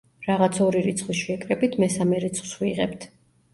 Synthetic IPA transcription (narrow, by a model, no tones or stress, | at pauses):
ɾaʁat̪sʰɔɾiɾit̪sʰχlisʃɛkʼɾɛbit̪ʰmɛsamɛɾit̪sʰχl̥ˠsχwiʁɛp̚t̪ʰ